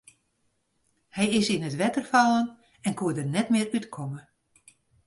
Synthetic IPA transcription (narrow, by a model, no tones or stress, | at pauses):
hɛjɪsinətʋɛtərfalˠən | ɛnkuədərnɛtmɪərytkʰɔmə